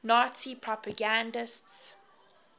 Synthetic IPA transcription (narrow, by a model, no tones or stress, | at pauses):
natipʰɹɔpaɡãndɪsts